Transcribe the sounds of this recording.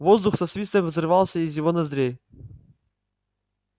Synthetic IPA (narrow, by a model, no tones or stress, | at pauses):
vozd̪ʊxsɐsvʲist̪əmʲvzɾɨvalˠsʲəːzʲjɪvonɐzd̪ɾʲej